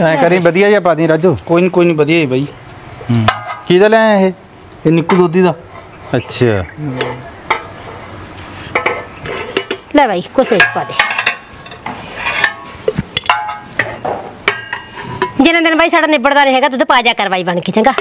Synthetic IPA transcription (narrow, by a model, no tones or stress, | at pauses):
ɛ̃ːkəɾẽːbəd̪ijaːiaːpaːd̪ẽːɾad͡ʒoːkoːinikoːinĩːbəd̪ijaːiːbʱaːiː | kiːd̪aːlɛ̃ːɦeː | eːnɪkːuːd̪oːd̪iːd̪aː | ətːʃʰaː | lɛːbaːiːkoseːt͡ʃpaːd̪eː | d͡ʒɪnãːd̪ɪnbaːiːsaːɖaːnɪbəɽd̪aːnẽːɦɛːɡaːt̪̬ʊt̪õpaːd͡ʒaːkəɾʋaːiːbəɳkeːt͡ʃə̃ŋɡaː